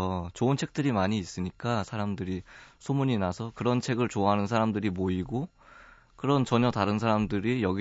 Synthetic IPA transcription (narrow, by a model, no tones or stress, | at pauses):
t͡ɕoɯnt͡ɕʰe̞k̚t͈ɯɾimaɲiːs͈ɯɲik͈asʰaɾamdɯɾisʰomuɲinasʰʌkɯɾʌnt͡ɕʰe̞ɡɯɭt͡ɕoaɦanɯns̬ʰaɾamdɯɾimoiɡo | kɯɾʌnt͡ɕʌɲʌtaɾɯnsʰaɾamdɯɾijʌɡi